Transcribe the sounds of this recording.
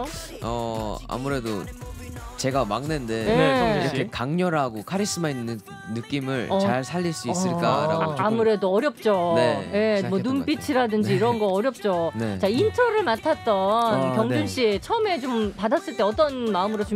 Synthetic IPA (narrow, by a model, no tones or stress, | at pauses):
ʌa̰muɾe̞do | t͡ɕe̞ɡamaŋnende̞eiɾʌkʰe̞kaŋɲʌɾɦaɡokʰaɾis͈ɯmainːɯː | ɯk͈imɯɭʌt͡ɕaɭsʰaʎːiɭs͈uis͈ɯɭk͈aɾa̰amuɾe̞doʌɾjʌp̚t͡ɕ͈onejemwʌnumpit͡ɕʰiɾadɯnd͡ʑiiɾʌnɡʌʌɾjʌp̚t͡ɕ͈oet͡ɕaintʰʌɾɯɭmatʰat͈ʌnkjʌŋd͡ʑunɕ͈ʰiet͡ɕʰʌɯme̞t͡ɕompadas͈ɯɭt͈eʌt͈ʌnmaɯmɯɾot͡ɕu